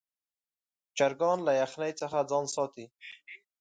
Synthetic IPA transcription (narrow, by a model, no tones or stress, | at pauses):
t͡ʃaɾɡɑnlajaxnajt͡səxad͡zɑnsɑt̪i